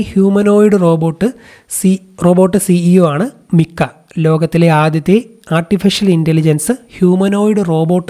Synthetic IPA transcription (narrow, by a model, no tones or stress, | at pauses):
hjuːmɐno̞ːjiɽɨroːboːʈːɨ | ro̞ːbo̞ːʈːɨsiioːaːɳɨ | mikːɐ | lo̞ːɡɐt̪ːileaːd̪jɐt̪ːe | aːrʈifiʂɐlindelid͡ʑɐnsɨhjuːmɐno̞ːjiɽɨro̞ːbo̞ːʈː